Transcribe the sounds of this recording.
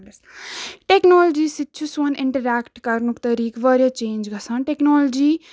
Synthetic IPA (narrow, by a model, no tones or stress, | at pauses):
ʈeknoːld͡ʒisit̪ːt͡ʃʰuswɐniɳʈɐɾaːkʈkɐɾnukt̪ɐɾiːkʋʌɾjɐt͡ʃeːnd͡ʒɡʌsʰãnʈeknoːlod͡ʒi